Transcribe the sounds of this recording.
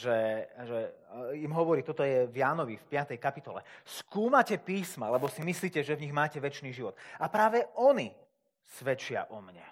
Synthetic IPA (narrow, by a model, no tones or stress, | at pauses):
ʒɛʒɛimɦɔʋɔɾiːt̪ɔt̪ɔjɛvjaːnɔʋifpɪat̪ɛjkapit̪ɔlɛ̰skuːmacɛpiːsma̰lɛbɔsimisliːcɛʒɛvɲiɣmaːcɛʋɛt͡ʃniːʒiʋɔt̪apɾaːʋɛɔni | sʋɛt͡ʃɪa̰ʔɔmɲɛ̰